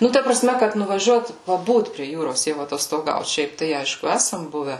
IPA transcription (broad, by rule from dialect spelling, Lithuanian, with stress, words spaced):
ˈnʊ ˈtɐ prɐˈsʲmʲɛ kɐt nʊʋɐˈʒʲuɔt pɐˈbuːt pʲrʲiɛ ˈjuːroːs jɛʊ ɐtoːstoːˈɡɐʊt ˈʃʲɛɪp tɐɪ ˈɐɪʃkʊ ˈæsɐm ˈbʊʋʲɛ